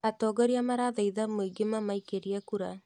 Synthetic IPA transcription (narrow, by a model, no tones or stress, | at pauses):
at̪ɔɡɔɾiamaɾaðɛjðamoiɡemamaikeɾiakuɾa